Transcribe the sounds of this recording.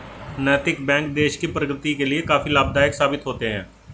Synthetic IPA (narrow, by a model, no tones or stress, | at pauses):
nɛːt̪ɪkbɛ̃ːŋk̚d̪eːʃkiːpɾəɡɾɪt̪iːkeːlɪeːkaːfiːlaːb̚d̪aːɪksaːbɪt̪ɦoːt̪eːɦɛ̰̃ː